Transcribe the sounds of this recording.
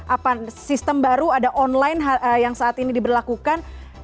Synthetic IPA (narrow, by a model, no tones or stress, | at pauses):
ʔapasist̪əmbaɾuadaʔɔnlajnɦajaŋsaːt̪inidibərlakukan